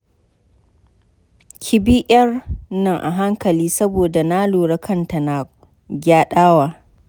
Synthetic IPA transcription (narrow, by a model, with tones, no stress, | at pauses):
kʲʰɪ˦bi˦ʔɐ˦rnɐ˨ŋʔa̰˨ɦa˦ŋkɐ˨liː˦sɐ˦boː˨da˨naː˦loː˨ɽɐ˦kʰɐ˦nta˨na˨ | ɡʲaː˦ɗaː˦waː˨